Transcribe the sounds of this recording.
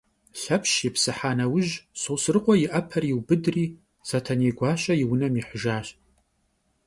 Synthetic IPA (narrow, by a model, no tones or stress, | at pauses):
ɬɐpʰʃepʰsɨħaːnɐwʊʒsowsɨrɨqʷʼɔjɪʔɐpʰɐriwbɨdriː | z̥atʰɐneːɡʷɑːɕʼɐjiwʊnɐmiħəʒaːɕ